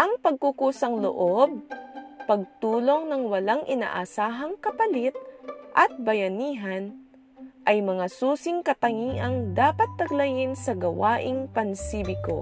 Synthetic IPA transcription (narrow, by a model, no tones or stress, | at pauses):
ʔɐŋpɐɡ̚kukuːsɐŋlo̰ʔob̚pɐɡ̚t̪uːlo̞ŋnɐŋwɐlaŋʔɪna̰ːʔɐsaːɦɐŋkɐpɐlɪt̪̚ʔɐt̪̚bɐjɐniːɦɐn | ʔɐjmɐŋasuːsɪŋkɐt̪ɐŋiːʔɐŋd̪aːpɐt̪ːɐɡlɐjɪnsɐɡɐwaːʔɪŋpɐnsiːbɪko̰